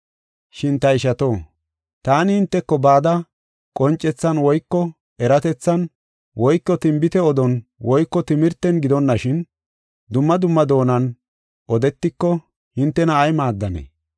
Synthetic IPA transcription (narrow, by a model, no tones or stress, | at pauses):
ʃɪnt̪ɐɪʃɐt̪oː | t̪aːnɪhɪnt̪ːɛkːɔbaːd̪ɐ | kʼɔnt͡ʃʼːɛt͡sːɐnwɔjkːɔ | ɛɾɐt̪ɛt͡sːɐn | wʔɔjkːɔt̪ɪmbɪt̪ɛɔd̪ɔnwɔjkːɔt̪ɪmɪɾt̪ːɛnɡɪd̪ɔnːɐʃɪn | d̪ʊmːɐd̪ʊmːɐd̪o̞ːnɐn | ʔɔd̪ɛt̪ːɪkːɔ | hɪnt̪ːɛnɐːjmaːd̪ːɐnḛː